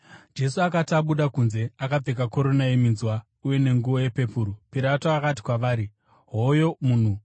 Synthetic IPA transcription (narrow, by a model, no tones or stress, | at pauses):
d͡ʒe̞suakataɓuɗakunze̞akab͡vekako̞ɾo̞najeminzwa | uje̞ne̞ŋɡuʋoje̞pe̞puːɾupiɾatoakat̬i̥kwaʋaːɾi | ɦojo̞muːn̤u